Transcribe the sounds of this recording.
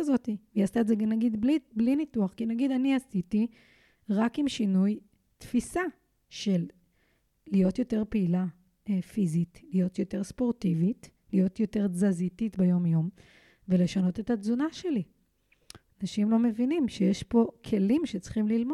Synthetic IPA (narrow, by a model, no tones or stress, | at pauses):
zo̞tiveast̪aetzeɡanaɡid̪bliblinituaχkinaɡid̪aniasiti | ʁakimʃinuj | tfisa | ʃe̞lː | ijo̞t̪jo̞te̞ʁpeila | fizitlijo̞t̪jo̞te̞ʁspo̞ʁtivit | lijo̞tjo̞te̞ʁzazititbejo̞mjo̞m | vele̞ʃano̞te̞tazunaʃe̞li | anaʃimlo̞me̞vinimʃejeʃpo̞kʰe̞limʃet͡sχimlilmo